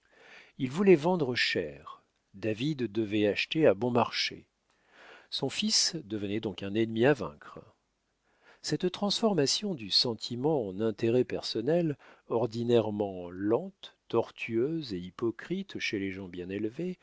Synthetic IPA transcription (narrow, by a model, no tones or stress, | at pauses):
ilvulɛvɑ̃d̪ʁəʃɛʁ | d̪avid̪ːəvɛaʃt̪eabɔ̃maʁʃḛ | sɔ̃fisd̪əvənɛd̪ɔ̃kɛ̃nɛnmiavɛ̰̃kχ | sɛt̪t̪χɑ̃sfɔʁmasjɔ̃d̪ysɑ̃t̪ʰimɑ̃ɑ̃nɛ̃t̪eʁɛpɛʁsɔnɛlɔʁd̪inɛʁmɑ̃lɑ̃t̪ːɔʁt̪ʰyøzeipɔkχit̪ʃeleʒɑ̃bjɛ̃nɛlve